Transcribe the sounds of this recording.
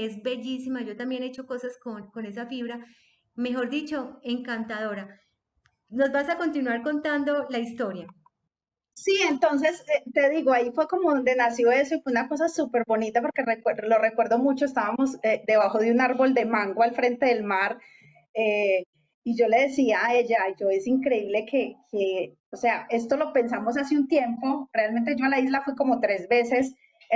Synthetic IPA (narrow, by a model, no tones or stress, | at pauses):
ezbe̞ʝisimad͡ʒo̞t̪ambje̞net͡ʃo̞ko̞saskonko̞ne̞s̬afiβɾa | me̞xo̞ɾd̪it͡ʃo̞e̞ŋkant̪aðo̞ɾa | no̞zbasako̞nt̪inwaɾko̞nt̪and̪o̞laist̪o̞ɾja | sie̞nt̪o̞ns̬e̞set̪e̞ðiɣoaifwe̞ko̞moðond̪e̞nasjo̞e̞so̞ifweunako̞s̬asupe̞ɾbo̞nit̪apo̞ɾke̞rekwelo̞rekwe̞ɾðo̞mut͡ʃo̞est̪aβamo̞zed̪e̞βaxo̞ðjunaɾbo̞ld̪e̞mãŋɡwalfɾe̞nt̪e̞ðe̞lmaɾ | e | iʝo̞le̞ð̞esiae̞ʝad͡ʒo̞e̞siŋkɾe̞iβle̞kʰe̞ke | ose̞ae̞st̪o̞lo̞pe̞ns̬amosasiunt̪je̞mpo̞re̞almẽnt̪̬e̞d͡ʒo̞alaizlafweko̞mo̞t̪ɾe̞zbe̞se̞s